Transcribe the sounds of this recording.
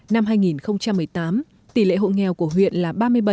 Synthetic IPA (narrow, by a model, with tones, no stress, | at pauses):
na˧mɦaː˧jŋi˨˩nxə˧wŋ͡mt͡ɕa˧mːɨ˨˩əjt̪aː˨˦m | t̪i˧˩lḛ˧˨ɦo̰˧˨jŋɛ˨˩wku˧˩əɦwḭ˧˨ənlaː˨˩ɓaː˧mɨ˧əjɓə˧˨˩